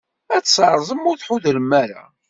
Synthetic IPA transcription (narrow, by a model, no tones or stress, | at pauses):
æt͡sːsɾˤzˤəmʊɾθħuðələmːæɾa̰